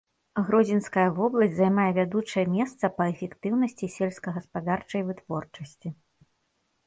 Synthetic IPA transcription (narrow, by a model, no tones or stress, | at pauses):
ɣɾɔzʲinskɐjɐvɔblˠɐsʲtʲzajmajɛvʲad̪ut͡ʂɐjɛmʲɛst̪sɐpɐɛfʲɛkt̪ɨwnɐsʲt͡sʲisʲɛlʲskɐɣɐspad̪art͡ʂɐjvɨt̪v̥ɔrt͡ʂɐsʲt͡sʲi